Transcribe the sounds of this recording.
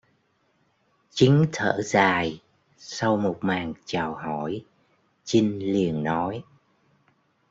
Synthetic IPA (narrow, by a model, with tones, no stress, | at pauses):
t͡ɕi˨˦ŋ̟t̪ʰəː˧˥˩zaː˨˩j | sa˧wmo˨˩t̚maː˨˩ŋt͡ɕaː˨˩whɔ˧˩j | t͡ɕi˧ŋ̟li˨˩ənnɔ˨˦j